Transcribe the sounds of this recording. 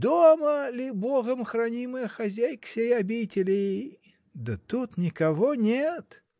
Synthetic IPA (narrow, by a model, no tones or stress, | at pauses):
d̪oməlʲɪboɣəmxrɐnʲimɨjəxɐzʲæjksʲejɐbʲitʲɪlʲɪj | d̪ət̪ut̪nʲɪkɐvonʲet̪